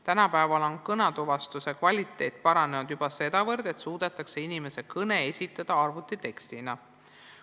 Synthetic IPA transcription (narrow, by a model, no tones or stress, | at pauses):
t̪ænɑpæevɑlo̞nkɤnɑt̪uvɑst̪use̞kvɑlʲit̪ːˑe̞ːt̪̚ˑpɑɾɑne̞nud̪jub̥ɑse̞d̪̥ɑvɤrd̪e̞t̪suːd̪̥et̪ːˑɑkseinime̞se̞kɤne̞esʲit̪ːˑɑd̪̥ɑɑrvut̪ːˑit̪e̞kst̪inɑ